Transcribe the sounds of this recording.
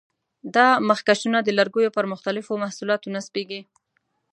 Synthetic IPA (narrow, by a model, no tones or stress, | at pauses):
d̪ɑməxkaʃunad̪əlaɾɡujopəɾmʊxt̪alɪfomahsulɑt̪onaspeɡi